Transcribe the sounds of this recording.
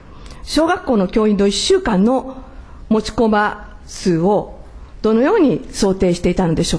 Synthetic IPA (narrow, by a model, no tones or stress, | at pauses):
ɕo̞ːɡakːo̞ːno̞kʲo̞ːĩnd̪o̞iɕːɨːkãnːo̞ | mo̞t͡ɕi̥ko̞ba | sɨːo̞d̪̥o̞no̞jo̞ːɲ̟iso̞ːt̪e̞ːɕi̥t̪e̞it̪ano̞d̪e̞ɕo̞ː